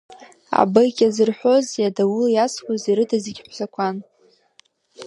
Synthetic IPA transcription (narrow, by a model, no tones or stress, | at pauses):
a̰bajkʲʼazɨrħʷo̞zjadawʊljaskʷʰaziɾɨdaziɡʲħʷzakʷʰan